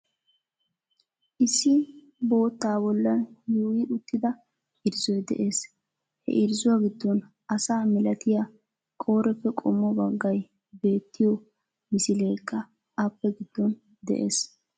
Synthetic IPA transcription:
ʔɪsːɪ | bo̞ːt̪ːaːbɔlːɐnjuːjɪʔʊt̪ːɪd̪ɐ | ɪɾzɔjd̪ɛ̰ʔe̞ːs | hɛ̰ʔɪɾzʊwaɡɪd̪ːɔn | ɐsaːmɪlɐt̪ɪja | kʼo̞ːɾɛfːɛkʼɔmːɔbɐɡːɐj | be̞ːt̪ːɪjɔ | mɪsɪle̞ːkʼːɐ | ɐpːɛɡɪd̪̥ːɔn | d̪ɛ̰ʔe̞ːs

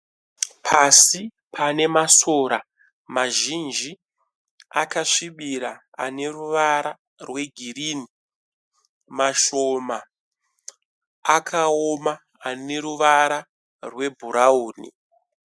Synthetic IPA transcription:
pʰasi | pane̞maso̞ːɾa | maʒind͡ʒi | akaʂiɓiɾa | a̰ne̞ruʋaɾa | rwe̞ɡʱirini | maʃoma | kʰaomaː | ne̞ɾuʋaɾa | rwe̞bʱuɾauːnḭ

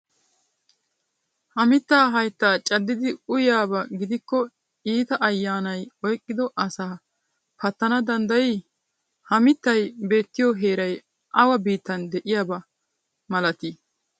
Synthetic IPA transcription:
hɐmɪt̪ːaːɦɐjt̪ːaːt͡ʃʼɐd̪ːɪd̪ɪʊjaːbɐɡɪd̪ɪkːɔ | iːt̪ɐʔɐjːaːnɐjɔjkʼːɪd̪ɔʔɐsaː | pɐt̪ːɐnɐd̪ɐnd̪ɐji | hɐmɪt̪ːɐjbe̞ːt̪ːɪjɔɦe̞ːɾɐj | ʔɐwɐbiːt̪ːɐnd̪ɛʔɪjaːbɐ | mɐlɐt̪i

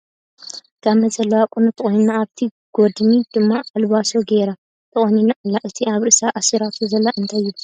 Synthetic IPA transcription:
ɡʰaβmɐzʼɐlɐwakʼunut̪ʰɨχʼojnnːaːβt̪ʰi | ɡ̥od̪nid̪̥ɨmːaalβasoɡeɾa | t̪ʰɨχʼoninalːaʔɨt̪ʰiaβɾɨʔɨsaʔasiɾat̪ʰuzɐlːaʔɨnt̪ʰajːu

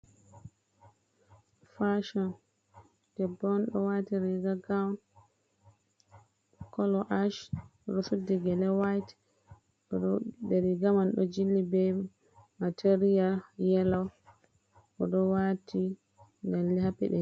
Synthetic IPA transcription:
faʃɔn | d̥ɛbɔnɗɔ̰watiɾɛɡaɡawn | kɔlɔʔaʃɾusudiɡɛlɛwajt | ɔɔdeɾiɡamanɗɔ̰d͡ʒilːibɛ | matʰeɾialjɛlaw | ʔɔɗɔwatʰi | ndalːihapɛ̰ɗɛ

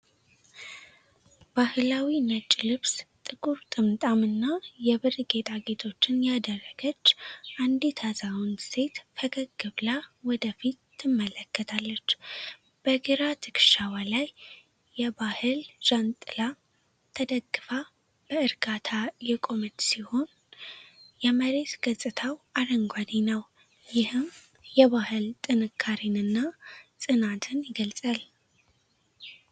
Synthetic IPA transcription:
b̥ahɨlawinət͡ʃʼlɨβst̪ʼɨɡuɾt̪ʼɨmt̪ʼamɨnːajɛβɨrɡe̞t̪ʼʰaɡe̞t̪ʰo̞t͡ʃːɪnjad̪ərːəɡət͡ʃːʔand̪it̪ʰazawunse̞t̪fʰəɡəɡɨβlawɔd̪əfit̪ːɨmːələkːət̪ʰalːət͡ʃː | b̥əɡiɾat̪ʰɨkʃawalajː | ɛbahɨlʒ̥ant̪ʼɨla | t̪ʰəd̪əɡːɨfa | b̥əɨɾɡat̪ʰajɛkʼo̞mɨt̪siho̞n | jɛməɾe̞t̪ɡət͡sʼːɨt̪ʰawaɾəŋɡʷad̪inəw | jɪhɨm | jɛβahɨlt̪ʼɨnɨkʰːaɾinɨnːasʼɨnat̪ʰɨnjɪɡəlsʼal

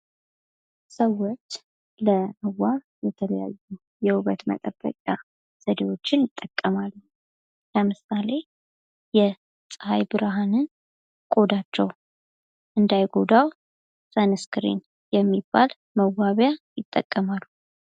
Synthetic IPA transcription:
səwːo̞t͡ʃː | ləməwːa | jɛt̪ʰələja̰jːu | jɛhuβət̪mə̰t̪ʼəbːə̰kʼja | z̥əd̪ewo̞t͡ʃːɪnjɪt̪ʼːəkʼːəmalːu | ləmɨsale̞ | jɛ | sʼɨha̰jbɨɾaɦanɨn | kʼo̞d̪at͡ʃːɛw | ʔɨnd̪ajɡo̞d̪aw | sanɨskɨɾḭn | jɛmːibːal | məwaβjajɪt̪ʼːə̰kʼːəmalːu

